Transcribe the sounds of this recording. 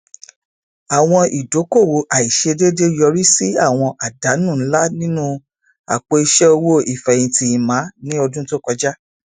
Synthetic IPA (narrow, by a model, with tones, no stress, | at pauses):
a˨w̃ɔ̃˧i˨do˨˦ko˦˨wo˨˦ʔa˨i˨ʃe˧de˦de˦jɔ˧ɾi˦si˦a˦˨w̃ɔ̃˧ʔa˨da˨˦nũ˦˨˦la˦nĩ˦nũ˦ | a̰˨k͡po˧i˧ʃɛ˦o˧wo˦i˨fɛ̃˨ĩ˧ti˧i˨mã˨˦nĩ˦ɔ˧dũ˦to˦kɔ˧d͡ʒa˦